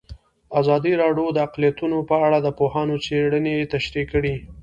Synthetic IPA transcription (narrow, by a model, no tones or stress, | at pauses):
azɑd̪iɾɑɖjod̪əaqlijat̪unopəaɽad̪əpohɑnot͡seɽənet̪aʃɾikːəɽi